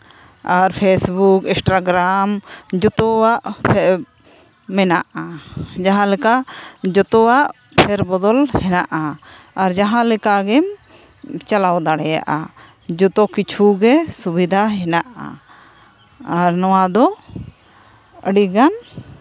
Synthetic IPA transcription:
aɾpʰesbukĩnsʈɾaɡɾamd͡ʒɔt̪ɔwaʔpʰɛ | mɛnaʔad͡ʒaɦãlɛkad͡ʒɔt̪ɔwaʔ | pʰɛɾbɔd̪ɔlhɛnaʔaːɾd͡ʒaɦãlɛkaɡɛm | t͡ʃalawd̪aɽɛja̰ʔa̰ | d͡ʒɔt̪ɔkit͡ʃʰuɡɛsubid̪ʱaɦɛnaʔa̰ | aɾnɔwad̪ɔ | əɽiɡan

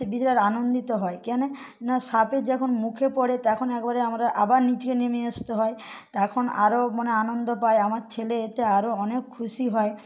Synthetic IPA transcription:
bit͡ɕɾeɾanond̪it̪oɦɔekɛne | naʃapeɾd͡ʑɛkʰonmukʰepɔɽet̪ɛkʰonɛk̚baɾeamaɾeʔabaɾnid͡ʑkenemeast̪eɦɔet̪ɛkʰona̰ɾomaneanond̪opaeamaɾt͡ɕʰeleet̪eaɾoɔnekʰːuʃiɦɔe

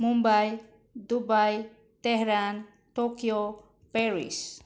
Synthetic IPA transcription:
mumbaj | d̪ubaj | t̪ɛɦɾan | tokjo | pɛɾḭs

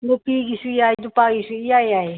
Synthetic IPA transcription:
ɡopiɡisuiajdupaɡisuiajaj

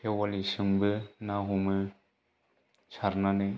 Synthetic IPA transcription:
ewalisɯŋbɯnaɦumɯ | sʰaɾnanɯ

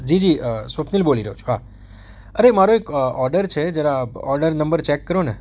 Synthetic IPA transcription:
d͡ʒid͡ʒiəsʋəpʰnilboliɾəɦot͡ʃʰoɦa | əɾemaɾoekɔɾɖəɾt͡ʃʰed͡ʒjaɾaɔɾɖəɾnəmbəɾt͡ʃekːəɾone

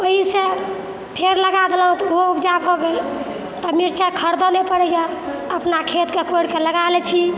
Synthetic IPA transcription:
oɦise | pʰeɾləɡad̪elɦũt̪ɔoupd͡ʒabʱoɡel | t̪ɔmiɾt͡ʃʰakʰəɾd̪ɔnepəɽɛja | əpnakʰet̪kekoɽkeləɡalɛt͡ʃʰi

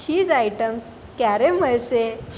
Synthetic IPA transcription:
ɕiːd͡zajʈəms | kjaɾem̤əɭse

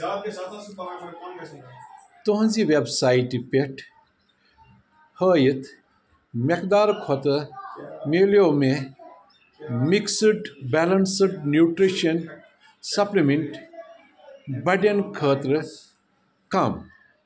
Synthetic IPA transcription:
t̪uɦũnziːʋebsaːiʈipeʈʰ | həːjit̪ʰ | mekd̪aːɾkʰot̪ɨ | meːlijoːmẽ | miksɨʈbɛlɐnsɨʈnjuːʈɾiʃɐn | sɐplimiɳʈ | bɐɖɐnkʰəːt̪ɾɨ | kɐm

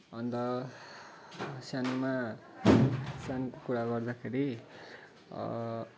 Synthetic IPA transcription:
ʌnd̪ʌ | sjanuma | sjankokuɾaɡʌrd̪akʰeɾi

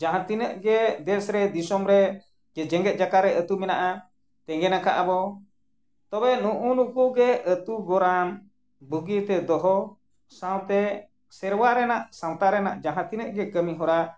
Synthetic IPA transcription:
d͡ʒaɦãt̪inəʔɡɛd̪ɛsɾɛd̪isɔmɾɛ | d͡ʒɛd͡ʒɛŋɡɛt̪̚ˀd͡ʒakaɾɛʔət̪umɛnaʔa | t̪ɛŋɡɛnakaʔabɔ | t̪ɔbɛnuʔunukuɡɛət̪uɡɔɾan | buɡit̪ɛd̪ɔɦɔ | sãwt̪ɛ | sɛɾwaɾɛnaʔsãwt̪aɾɛna̰ʔd͡ʒãɦãt̪inəʔɡɛkəmiɦɔɾa

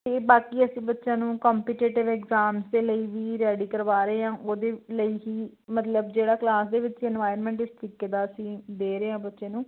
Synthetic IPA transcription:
t̪eːbaːkiːəsĩːbətːʃãːnũːkɔːmpiːʈeːʈɪʋɛːkzaːmsd̪eːləiːʋiːɾɛːɽiːkəɾʋaːɾeeːãːʔoːd̪eːləiːɦiː | mət̪ləbd͡ʒeːɽaːklaːsd̪eːʋɪt͡ʃɛːnʋaːjəɾmɛ̃ːɳʈɪst̪ʰɾiːkeːd̪aːəsĩːd̪eːɾeːãːbətːʃẽːnũː

